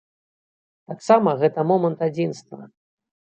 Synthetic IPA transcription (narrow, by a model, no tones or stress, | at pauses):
t̪aksamɐɣɛt̪ɐmɔmɐnt̪ad͡zʲinst̪vɐ̰